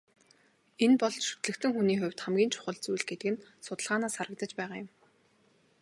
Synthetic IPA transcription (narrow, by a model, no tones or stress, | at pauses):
enpɔɮt͡ɕʃɵ̥t̪ɮɘ̆kt̪ɘ̆ŋxuniːxʊ̟wʲt̪χæmɡʲiːnt͡ɕʰʊ̥χə̆ɮt͡sujɮɡet̪ɘ̆kɘ̆nsʊt̪ə̆ɮʁaːnaːsχaɾə̆k̚t̪ə̆t͡ɕpæːʁaːjʊm